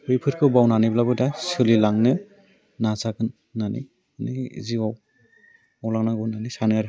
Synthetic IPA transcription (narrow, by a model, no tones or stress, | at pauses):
ɯjpʰɯɾkʰɯwbawnanijblabɯdasɯlilaŋnɯ | nazaɡɯnː | anḭ | nḭzibaw | awlaŋnaɡɯwnanisanɯaɾ